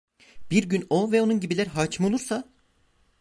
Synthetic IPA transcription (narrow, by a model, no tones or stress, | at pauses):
b̥iɾɟynovɛo̞nunɟibilʲæɾɦaːt͡ʃmɯolˠuɾsa